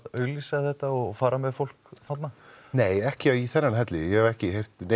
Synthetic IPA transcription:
ðœːɥɣlisaθɛht̪aɔɣfaːɾamɛðfowl̥kθat̪na | neːjɛhcɪaiθɛnːanɦɛt̪lɪjɛhɛvɛhcɪɦejft̪ne

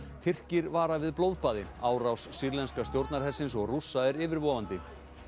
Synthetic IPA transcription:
t̪ʰɪr̥cɪɾvaːɾavɪðplowðpaːðɪaːwɾawsːiɾlɛnskast̪jowɾt̪naɾɦɛ̥sːɪnsɔɣrusːaɛɾɪːvɪɾvɔːvant̪ɪ

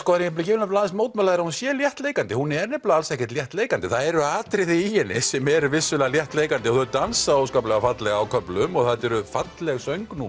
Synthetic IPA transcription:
skɔːðanjɛplcɪːvɾlnaplaðɪnsmoːwt̪mɛlaðɪɾahunsjɛːljɛht̪leːjkant̪ɪhunɛɾnɛplaalsɛhcɪ̥t̪ljɛht̪leːjkant̪ɪθaðɛɾʏaːt̪ɾɪðɪijɛnɪsɛmɛɾʏvɪsɪlɣaljɛht̪leːjkant̪ɪɔθœt̪ansaoːwskaplɛɣafat̪lɛɣaawkʰœplʏmɔɣθat̪ɛɾʏfat̪lɛɣsœɥŋknu

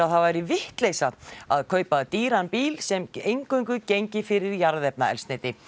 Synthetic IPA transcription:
aθavajɾɪvɪht̪lejsaaðkʰœːɥpaðt̪iːɾanpiːlsɛmejŋkʰœŋkʏcejɲcɪfɪɾɪɾjaɾðɛpnaɛ̰lsnejt̪ɪ

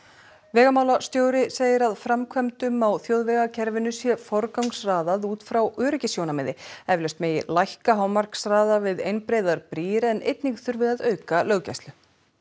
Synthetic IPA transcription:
vɛːɣamaːwlast̪joːwɾɪseːjɪɾaðfɾamkʰvɛmt̪ʏmawθjoːwðvɛɣacʰɛɾvɪnʏsjɛfɔɾkawŋsraːðaðuːt̪fɾawœːɾʏcɪsjownamɛðɪɛvlɛst̪meːjɪ̰lajhkaɦawmar̥ksraːðavɪðejnpɾejðaɾpɾiːɾɛnʔḛjt̪niŋkθʏɾvɪðaðœːɥkalœɣca̰jst̪lʏ

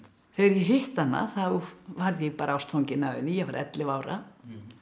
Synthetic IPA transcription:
fɪɾjɛɦɪht̪anːa̰θawvaɾðjɛɣpaːɾʔaawst̪ʰowɲcɪnaːvɪ̰nːɪjɛvaɾʔɛ̰t̪lɪvaːwɾa̰

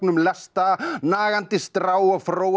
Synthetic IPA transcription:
knʏmlɛst̪anaːɣant̪ɪst̪ɾaːwafɾoːw

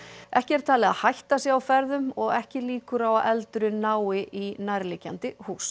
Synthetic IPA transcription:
ʔɛhcɪɛɾ̥t̪ʰaːlɪɣa̰hajht̪asjɛɣawfɛɾðʏmɔɣɛhcɪliːkʏɾawaʔɛlt̪ɾʏnaːwɪʔinajɾlɪcant̪ɪhuːs

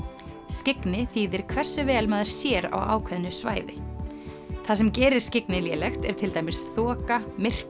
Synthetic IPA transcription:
scɪknɪθiːðɪɾ̥kʰvɛ̥sːʏvɛːlmaːðɪɾ̥sjɛːɾa̰wa̰ːwkʰvɛðnʏsva̰ːjðɪ | θasɛmcɛːɾɪɾ̥scɪknɪljɛːlɛxt̪ɛɾ̥t̪ʰɪlt̪ajmɪsθɔːkamɪr̥k

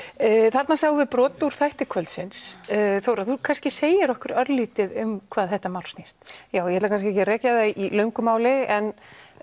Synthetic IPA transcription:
θaɾt̪nasaɣvɪpɾɔːt̪uɾ̥θajht̪ɪkʰvœlt̪sɪnsθowɾaðθukʰanscɪseːjɪɾɔhkʏɾœɾliːt̪ɪðʏmkʰv̥aːðθɛht̪amawlst̪nist̪jaːwjɛhɛt̪lakʰanskcɪɛhcɪrɛːcaðaʔilœɥŋkʏmaːwlɪɛn

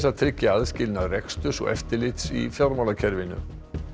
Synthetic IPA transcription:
saðt̪ʰɾɪcːɪaðscɪlnaðrɛkst̪ʏsɔ̰ɣɛ̰ft̪ɪlɪt̪sḭfjawɾmawlacʰɛɾvɪnʏ̰

